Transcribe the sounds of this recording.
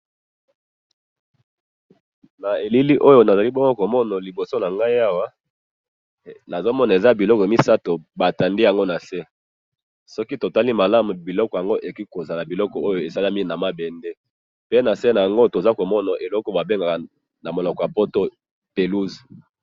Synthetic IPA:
na˨e˨li˦li˦ʔo˦jo˨na˨za˨li˦bɔ˦ŋɡo˦ko˨mɔ˦na˨li˨bo˨so˦na˨ŋɡa˦i˦a˦wa˦ | na˨zo˦mɔ˦na˨e˨za˦bi˨lɔ˦kɔ˨mi˦sa˦to˨ba˨ta˨ndi˦ja˨ŋɡo˦na˨se˦ | sɔ˦ki˦to˨ta˦li˦ma˨la˦mu˨bi˨lɔ˦kɔ˨ja˨ŋɡo˦ʔe˨ki˦ko˨za˨la˨bi˨lɔ˦kɔ˨o˦jo˨e˨sa˦la˦mi˦˨na˨ma˦bɛ˨nde˦ | pe˦na˨se˦na˨ja˨ŋɡo˦to˨za˦ko˨mɔ˦na˨ʔe˨lɔ˦kɔ˦ba˨be˦ŋɡa˨ka˨ | na˨mo˨lɔ˨kɔ˨ja˨po˦to˦ | pe˨lu˦z

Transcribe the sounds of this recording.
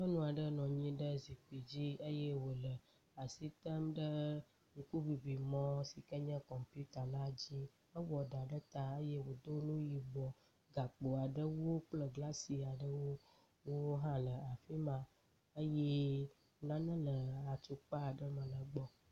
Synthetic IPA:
ə˦nũ˦a˨ɖə˦nɔ̃˨ɲĩ˦ɖə˦zi˨k͡pi˨d͡ʑi˦ə˦je˦wo˨lə˨ | a˨si˦t̪ə˦mɖə˦ | ŋ̩̃˨ku˦vi˨vi˨mɔ̃˦si˨kə˦ɲə̃˦kɔ˨mpu˦t̪a˨la˦d͡ʑi˦ | ə˦wɔ˨ɖa˨ɖə˦t̪a˦ə˦je˦wo˨d̪o˦nũ˦ji˨bɔ˨ | ɡa˨k͡po˨a˨ɖə˦wo˦k͡plə˨ɡla˦si˨a˨ɖə˦wo˦ | wo˦ɦã˦lə˨a˨fi˦mã˨ | ə˦jɛ˦˨ | nã˦nə̃˦lə˨a˨t̪u˨k͡pa˦a˨ɖə˦mə̃˨lə˨ɡ͡bɔ˦

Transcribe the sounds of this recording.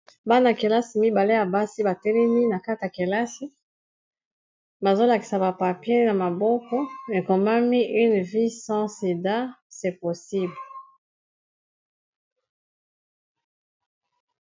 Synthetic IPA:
ba˦na˨ke˨la˦si˨mi˦ba˨le˦ja˨ba˦si˦ba˨tɛ˦lɛ˦mi˦na˨ka˦ti˨ja˨ke˨la˦si˦ | ba˨zo˦la˨ki̥˨sa˨ba˨pa˨pje˦na˨ma˨bɔ˦kɔ˦e˨ko˨ma˦mi˦ʔy˦nvi˦sɑ̃˦si˨da˦sɛ˨po˨si˦bl

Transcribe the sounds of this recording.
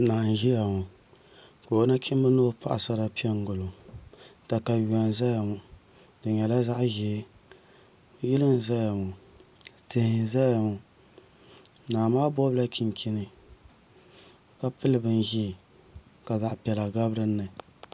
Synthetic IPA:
naː˨n˨ʒi˦ja˨mʊ˨ | ka˨o˦na˦kʲʰɪ˦m˦bɨ˦noː˦pʰa̰˦ʔa̰˨sa˦ɾa˦˨pi˦ɛ˦ŋ˦ɡʊ˨lo˨ | ta˨ka˨wa˨n˨za˦ja˨mʊ˨ | dɨ˨ɲɛ˨la˦za˦ʔʒɛː˨˦ | ji˦lɨ˦n˨za˦ja˨mʊ˨ | te˨hɪ˨za˦ja˨mʊ˨ | naː˨maː˦bɔ˦bla˦ki˨n˨kʰi˦nɨ˨ | ka˦pɨ˦lɨ˨bɨ˦n˦ʒi˦˨ | ka˨za˨ʔpɛ˨la˨ɡa˦bɾɨ˦nːɨ˨

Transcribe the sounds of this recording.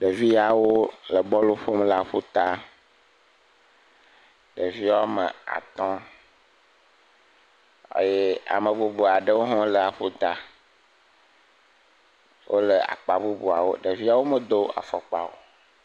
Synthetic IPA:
ɖə˨vi˦a˨wo˦lə˨bɔ˦lo˦ɸo˦mla˦ɸo˦t̪a˦ | ɖə˨vi˦a˦wo˦mə̰˨a̰˨t̪ɔ̃˦ | ḛ˦je˦a̰˨mə˨bu˦bu˨a˨ɖə˦wo˦ɦɔ̃˦lə˨a˨ɸo˦t̪a˨ | wʔo˦lə˨a̰˨k͡pa˨bu˦bu˨a̰˨wo˦ɖə˨vi˦a˦wo˦mə˨d̪o˦a̰˨fɔ˨k͡pa̰˨wo̰˨

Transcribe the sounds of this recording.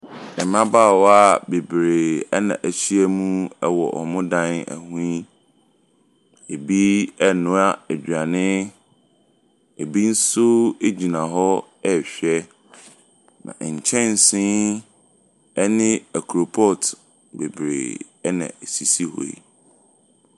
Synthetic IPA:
ɛ˨mã˦baː˦˨wɔ˦a˦˨be˨bɾe˨ɛ˦nã̰˨ʔæ˨ɕi˦æ˦mũ˦ɛ˦wɔ̰˨ʔɔ̰˨mʊ̃˦dã˦næ̰˨hũ˦i˦ | e˨bi˦ɛ˦nʊ̃˦a˦æ˨d͡ʑᶣa˨nɪ̃˦ | e˨bi˦n̩˦sʊ˦e˦d͡ʑi˨nã˨ɦɔ˦ɛ˦˨ɕᶣɛ˦ | nã̰˨ɲ̩˨t͡ɕʰɛ̃˦n˨sɪ̃˦ | ɛ˦nɪ̃˦æ˨kʰɾo˨pʰɔ˦˨t | be˨bɾḛː˨ | ɛ˦nã̰˨e˨si˨si˦hɔ̰˨ḭ˦

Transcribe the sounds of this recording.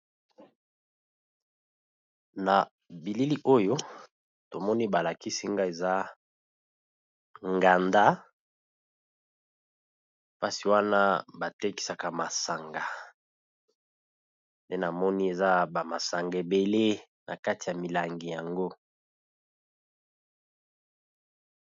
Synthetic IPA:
na˨ | bi˨li˦li˦ʔo˦jo˦ | to˨mɔ˦ni˦ba˨la˨ki˦si˦ŋɡa˦e˨za˦ | ŋɡa˨nda˦ | pa˦si˨wa˦na˦ba˨te˦ki̥˦sa˨ka˨ma˨sa˨ŋɡa˨ | nde˦na˨mɔ˦ni˦e˨za˦ba˨ma˨sa˨ŋɡe˨be˨le˦ | na˨ka˦ti˨ja˨mi˨la˨ŋɡi˨ja˨ŋɡo˦

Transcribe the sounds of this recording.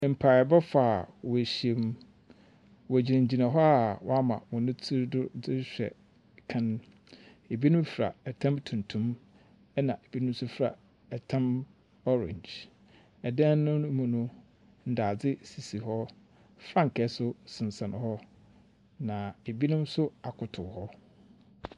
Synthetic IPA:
m̩˨pʰa˨bɛ˦fa˨wɔ˨æ˨ɕi˨e˨m˦ | wɔ˨æ˨d͡ʑi˨ɾĩ˨ɲ˨d͡ʑi˨nã˨ɦɔ˦a˨wa˦mã̰˨wɔ̃˨nʊ̃˦tʰi˦ɾdʊ˦d͡zɪ˦ɕᶣɛ̰˨ | kʰã˦n˦ | e˨bi˦nʊ̃˦m˦fɾa̰˨ɛ˨tʰã˦mtʰũ˨n˨tʰũ˦m | ɛ˦nã˨ʔe˨bi˦nʊ̃˦m˦sʊ˦fɾa̰˨ | ɛ˨tʰã˦m | ɔ˦ɾɛ̰̃˨ɲd͡ʑ | ɛ˨dɛ̃˦nʊ̃˦mũ˨nʊ̃˦ | n̩˨daː˨d͡zɪ˦si˨si˨ɦɔ˦ | fɾa˦ŋ̩˨kʰɛ˦sʊ˦sɪ̃˨n˨sã˨nʊ̃˨hɔ˦ | nã˨e˨bi˦nʊ̃˦m˦sʊ˦a˨kʰʊ˨tʰʊ˨hɔ˦

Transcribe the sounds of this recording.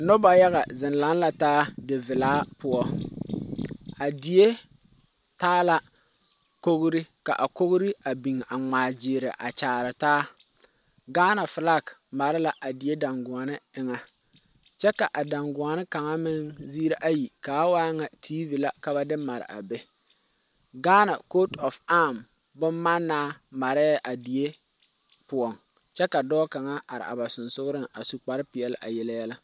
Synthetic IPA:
no˦ba˨ja˦ɣa˨zɪ˨n˨la˨˦nla˨taː˦dɪ˨vɪ˨laː˦pʊ˦ɔ˦ | a˨di˨je˦ | taː˦la˨ | ko˦ɣɾɪ˦ka̰˨ʔa˨ko˦ɣʊ˦ɾɪ˦a˨bi˨ŋa˨ŋ͡maː˨d͡ʒɪː˨ɾɪ̰˨ʔa̰˨t͡ʃaː˨ɾɨ˨taː˦ | ɡaː˦na˨fɪ˨la˦˨kma˨ɾɪ˦la˨ʔa˨dɪ˨e˦da˨ŋɡʊ˨a˨nɪ˦ɪ˨ŋa˦ | t͡ʃɛ˦ka˨ʔa˨da˨ŋɡʊ˨a˨nɪ˦ka˨ŋa˦mɪ˦ŋziː˦ɾa˦ʔa˦ji˨kaː˨˦waː˦ŋa˨tʰiː˦vi˨la˨ka˨ba˨dɪ˦ma˨ɾɪ̰˨ʔa̰˨be˦ | ɡaː˦na˨ko˦tɔ˨fa˦m | bʊ˦mːa˦nːaː˦ma˨ɾɪ˦a˦˨ʔa˨di˨je˦ | pʊ˨ɔ˨ŋ | t͡ʃɛ˦ka˨dɔː˦ka˨ŋa˦a˨ɾɪ̰˨a̰˨ba˨sʊ˨nsʊ˦ɡʊ˦ɾɪ˦ŋa˨su˨k͡pa˨ɾɪ˦pɪ˨ɛ˨lɪ̰˦ʔa̰˨jɛ˦la˦jɛ˦la˦

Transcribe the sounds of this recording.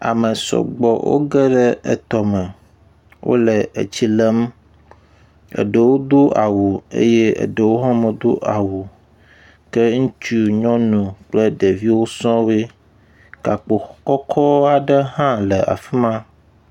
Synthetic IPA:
a̰˨mə˨sɔ̰˨ɡ͡bɔ˨wʔo̰˦ɡə˦ɖə˦ə̰˨t̪ɔ˨mə̃˨ | wʔo̰˦lə˨ḛ˨t͡ɕi˦lə˦m | ə̰˨ɖə˨wo˦d̪o˦a˨wu˨ḛ˦je˦ə̰˨ɖə˨wo˦ɦɔ̃˦mə˨d̪o˦ʔa˨wu˨ | kə˦ŋũ˦t͡ʃu˦ɲɔ̃˦nũ˨k͡plə˦ɖe˨vi˦wo˦sɔ̃˦we˦ | ka˨k͡po˨˦kɔ˦kʰɔ˦a˨ɖə˦ɦã˦lə˨ʔa̰˨fi˦mã˦

